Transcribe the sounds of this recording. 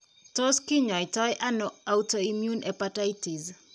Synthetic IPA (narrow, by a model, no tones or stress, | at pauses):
toskiɲɔitɔjʔanɔawtoimjunɛpatajtiz